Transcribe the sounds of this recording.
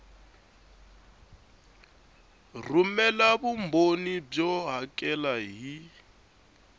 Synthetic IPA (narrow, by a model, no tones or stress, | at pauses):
rumɛlabumbonib͡ʐɔɦakʼɛlaɦi